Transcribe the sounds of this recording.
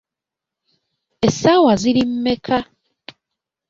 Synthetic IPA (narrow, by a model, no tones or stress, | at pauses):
esawaziɾim̩ːe̞kʰa